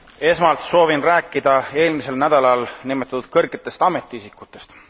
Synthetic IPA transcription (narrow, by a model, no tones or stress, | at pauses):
e̞smɑlt̪so̞ːvinræːkːid̪̥ɑe̞ːlmise̞lnæd̪̥ɑlɑlnimet̪ˑːɑt̪ud̪̥̚kɤrɡe̞t̪ːˑe̞st̪ɑme̞t̪ːˑiisikːˑut̪ːˑe̞st̪